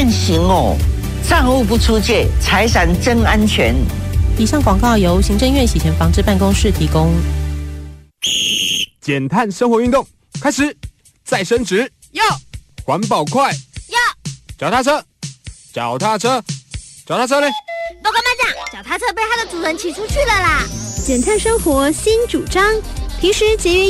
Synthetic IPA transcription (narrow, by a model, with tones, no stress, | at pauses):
ɛ˥˧nɕi˧˥ŋɔ˨˩ | t͡sʰa˥˧ŋu˥˧p̬u˥˩t͡sʰu˥t͡ɕjɛ˥˩t͡sʰa˧˥ɪsa˧˥nʈ͡ʂə˥ŋa˥nt͡ɕʰɥɛ˧˦ni˨˩ʂɑ˥˩ŋkwɑ˨˩ŋkɑ˥˩ʊjo˧˥ʊɕi˧˥ŋʈ͡ʂə˥˧ŋɥɛ˥˩nɕi˨˩t͡ɕʰjɛ˧˥nfɑ˧˥ŋʈ͡ʂɻ̩˥˧pa˥˩nkʊ˥ŋʂɻ̩˥˩t̪ʰi˧˥kʊ˥ŋ | t͡ɕjɛ˨˩nt̪ʰa˥˨nʂə˥ŋxwɔ˧˥y˥˧nt̪ʊ˥˩ŋ | kʰa˥ɪʂɻ̩˨˦ | t͡sa˥˩ɪʂə˥nʈ͡ʂɻ̩˧˥ | jɑ˥˩ʊxwa˧˥npɑ˨˩ʊkʰwa˥˩ɪjɑ˥˩ʊt͡ɕɑ˨˩ʊt̪ʰa˥˧t͡sʰɤ˥ | ʈ͡ʂɑ˨˩ʊt̪ʰa˥˧ʈ͡ʂʰɤ˥ʈ͡ʂɑ˨˩t̪ʰa˥˩t͡sʰɤ˥ne˨˩t̪o˧˥kə˥ma˥nt͡ɕjɑ˨˩ŋt͡ɕɑ˨˩ʊt̪ʰa˥˧ɤ˥˧pe˥˩ɪa˥d̪ə˨t͡su˨˥xə˧˥nt̪ʰi˧˥ʈ͡ʂʰu˥t͡ɕʰy˥˩lə˨˩lə˨˩t͡ɕjɛ˨˩nt̪ʰa˥˩nʂə˥ŋxwɔ˧˥ɕi˥nʈ͡ʂu˨˩ʈ͡ʂɑ˥ŋt̪ʰi˧˥ʂɻ̩˧˥t͡ɕjɛ˧˥ɥɛ˧˥